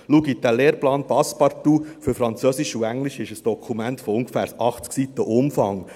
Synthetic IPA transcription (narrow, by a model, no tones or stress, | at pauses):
luɡid̥æleːɾplɑːnpɑspɑɾtufɵɾfɾɑnt͡søsiʃuæŋliʃɪʃəsd̥ɔkʰumæntfɔʊŋɡəfæːɾʔɑχt͡sksit̪ːəʔʊmfɑŋ